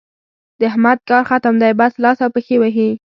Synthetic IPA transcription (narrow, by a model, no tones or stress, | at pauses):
d̪əhmad̪̚kɑɾxat̪amd̪ɑjbaslɑsawpəxewaɦi